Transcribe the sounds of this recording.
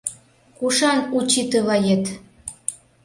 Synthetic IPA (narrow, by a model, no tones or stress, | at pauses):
kuʃɑnut͡ɕit̪əlɑjet̪